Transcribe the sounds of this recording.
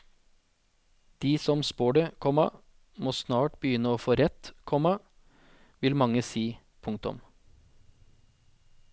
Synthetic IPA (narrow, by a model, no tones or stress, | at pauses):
d̪̥iːsɔmspoːɖəkʰɔmɑ̰ | moːsnɑːʈbəjʏnəoːfoːɾɛt̪kʰɔmɑ | ʋɪlmɑŋəsiː | pʰʊŋkt̪ʊ̰m